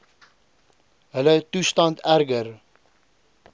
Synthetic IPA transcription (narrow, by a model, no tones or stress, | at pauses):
ɦələtustɑntærɡər